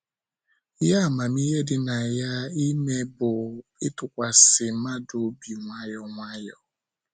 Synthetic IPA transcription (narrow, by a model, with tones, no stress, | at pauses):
ja˦˨ma˨mi˦ɦe˦dɪ˦na˨ja˦i˦ne˦bʊ˨ɪ˦tʊ˨kʷa˨sɪ˨˦ma˦do˦bi˨ŋʷa˦jɔ˨ŋʷa˦jɔ˨